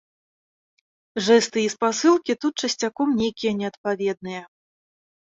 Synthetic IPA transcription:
ʐɛst̪ɨispasɨlˠkʲit̪ut̪̚t͡ʂɐsʲt͡sʲakɔmnʲejkʲijɐnʲɛɐt̪̚pavʲɛd̪̚nɨjɐ

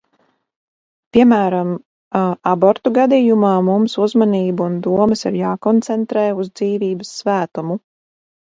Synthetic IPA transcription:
pʲiɛmæːɾam | abɔɾt̪uɡad̪iːjumaːmumsuzmaniːbuund̪uɔməsiɾjaːkɔnt̪sɛnt̪ɾɛːuzd̪ziːviːbəsːvæːt̪umu

